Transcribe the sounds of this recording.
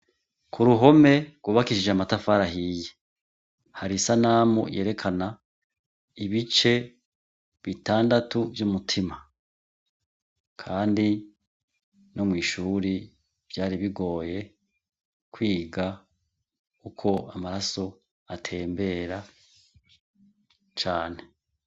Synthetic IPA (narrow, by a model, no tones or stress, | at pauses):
kʰuɾuɦo̞me̞ɡwuːβakiʃid͡ʒeamatafaɾaɦije | haɾisanaːmṵje̞ːɾe̞kʰana | iβit͡ʃe̞ | βitaːndatuvjumutʰima | kʰaːndi | no̞mŋiːʃuːɾi | v̥jaːɾiβiɡo̞ːje̞ | kwiːɡa | kukʰo̞amaɾaso̞ | atʰe̞ːmbe̞ːɾa | t͡ʃaːne